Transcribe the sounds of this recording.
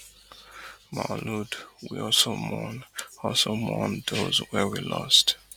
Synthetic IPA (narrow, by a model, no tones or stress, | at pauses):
maludwḭɔlsomɔnɔlsomɔ̃ndozwɛwilɔst